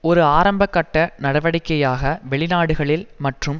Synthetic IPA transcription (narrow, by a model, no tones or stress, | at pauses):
ɔɾɯaːɾɐmbɐkːɐʈːɐnɐɽɐʋɐɽɪkːɐjaːɣɐʋɛɭɪnaːɽɯɣɐɭɪlmɐʈrɯm